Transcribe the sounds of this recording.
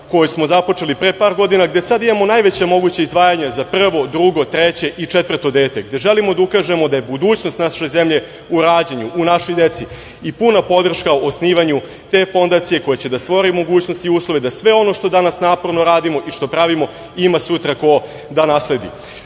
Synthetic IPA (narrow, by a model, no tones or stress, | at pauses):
ko̞josmo̞zapo̞t͡ʂe̞lipɾepaːɾɡo̞d̪inaɡd̪e̞sad̪imamo̞najʋet͡ɕamo̞ɡut͡ɕeizd̪ʋaːjaɲazapr̩ʋo̞d̪ɾuɡo̞t̪ɾet͡ɕe̞ʔit͡ʂet̪vr̩t̪o̞d̪e̞ːt̪eɡd̪e̞ʒe̞limo̞d̪aukaːʒe̞mo̞d̪aje̞bud̪uːt͡ɕno̞st̪naʃeze̞mʎe̞ | uɾaːd͡ʑeɲuʔunaʃo̞jd̪e̞t̪si | ipunapo̞d̪r̩ʃkaoosniːʋaɲu | t̪e̞ːfo̞nd̪aːt̪sije̞ko̞jet͡ɕe̞d̪ast̪ʋo̞ɾimo̞ɡuːt͡ɕno̞st̪iuːslˠoʋe̞d̪asʋe̞o̞no̞ʂt̪o̞d̪anasnaːpo̞ɾno̞ɾaːd̪imo̞ʔiʂt̪o̞pɾaʋimo̞ | imasut̪ɾako̞ | d̪anaːsle̞d̪ḭ